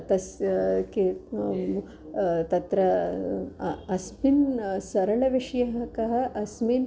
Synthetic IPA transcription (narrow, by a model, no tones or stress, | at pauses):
t̪ɐske | t̪ɐt̪ɾɐ | ɐsminsɐɾɐɭɐʋiʂɐjɐɦɐkɐɦɐ̆ʔɐsmin